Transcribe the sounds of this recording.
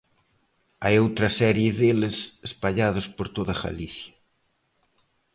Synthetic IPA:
ajowt̪ɾɐsɛɾjeðelesespaʎað̞ʊspoɾt̪oðɐɣa̰liθjɐ̥

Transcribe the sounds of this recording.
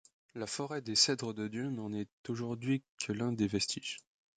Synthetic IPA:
lafɔʁɛd̪esɛd̪ʁəd̪əd̪jønɑ̃nɛt̪oʒuʁd̪ɥikʰəlɛ̃d̪evɛst̪ʰiʒ

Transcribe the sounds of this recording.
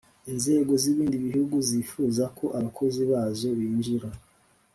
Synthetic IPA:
inze̞ːɡo̞ziβiːndiβihuɡuzifuːzakʰo̞ʔaβakʰo̞ziβaːzo̞βiːnd͡ʒiɾa

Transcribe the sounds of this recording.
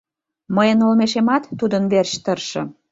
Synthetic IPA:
məjənolmeʃemɑt̪ːud̪ənβerɕt̪ərʃɤ̰̆

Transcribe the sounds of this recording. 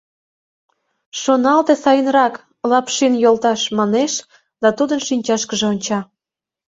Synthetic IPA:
ʃonɑlt̪esɑjənrɑk | lɑpʃinjolt̪ɑʃmɑneʃ | d̪̥ɑt̪ud̪ənʃinʲt͡ɕɑʃkəʒeonʲt͡ɕɑ

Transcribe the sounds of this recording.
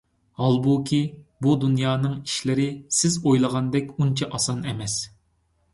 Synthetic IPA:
hɑlˠbukʲʰibud̪unjɑːnɨŋi̥ʃlɪɾɪsɪzojlˠəʁɑnd̪ɛkʲunt͡ʃʰɑʔɑsɑnɛmɛs

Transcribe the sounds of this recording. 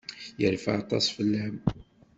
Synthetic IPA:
jəɾfaʕɑt̪ˤɑsˤfəlːæm

